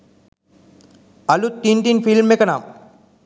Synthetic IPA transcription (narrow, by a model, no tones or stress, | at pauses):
ɐlut̪ːiɳʈinfilmekɐna̰ːm